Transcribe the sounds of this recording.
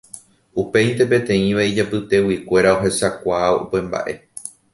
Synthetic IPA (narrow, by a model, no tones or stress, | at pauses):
upe̞jnt̪e̞p̬ẽ̞t̪ẽ̞ĩʋaid͡ʒapɨt̪e̞wikʷe̞ɾao̞ɦe̞sakʷaaoṵpe̞mba̰ʔe̞̰